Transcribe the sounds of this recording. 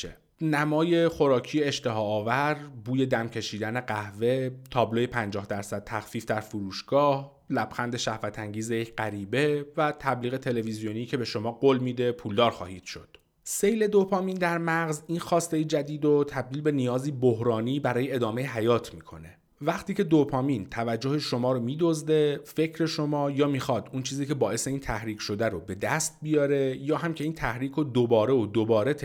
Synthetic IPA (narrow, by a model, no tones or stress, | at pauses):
e | næmɒːje̞xo̞ɾɒːcʰiːjeeʃt̪e̞ɦɒːvæɾbuːje̞d̪æmcʰe̞ʃiːd̪æne̞ɢæhve̞t̪ʰɒːblojepʰænd͡ʒɒːhd̪æɾsæd̪̥̚t̪ʰæxfiːfd̪æɾfuɾuːʃɡ̥ɒːh | læbxænd̪e̞ʃæhvæt̪ʰæŋɟiːzejecʰɢæɾiːbe̞væt̪ʰæbliːɣe̞t̪ʰe̞le̞vizijoniːcʰe̞be̞ʃo̞mɒːɡoːlmiːd̪e̞pʰuːld̪ɒːɾxɒ̰ːhiːd̪̥ʃo̞̰d̪̥ | sejle̞d̪o̞pʰɒːmiːnd̪æɾmæɣziːnxɒːst̪e̞jid͡ʒæd̪iːd̪ot̪ʰæb̚d̪iːlbe̞nijɒːziːbohɾɒːniːbæɾɒːjeed̪ɒːme̞jeɦæjɒːt̪ʰmiːkʰo̞̰ne̞ | væχt̪ʰiːcʰed̪opʰɒːmint̪ʰævæd͡ʒːohe̞ʃo̞mɒːɾomiːd̪ozd̪e̞fe̞cʰɾe̞ʃomɒːjɒːmiːxɒːd̪unt͡ʃʰiːziːcʰe̞bɒːʔe̞se̞iːnt̪ʰæhɾiːkʰʃo̞d̪æɾobe̞d̪æst̪̚bijɒːɾe̞jɒːɦæmcʲʰe̞iːnt̪ʰæhɾiːkʰod̪obɒːɾe̞od̪obɒːɾe̞